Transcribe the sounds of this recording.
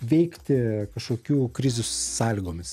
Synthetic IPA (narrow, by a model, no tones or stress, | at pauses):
ʋʲɛɪkt̪ʲɪkɐʃkoːkʲuːkɾʲɪzʲuːssɑːlʲiːɡoːmʲɪs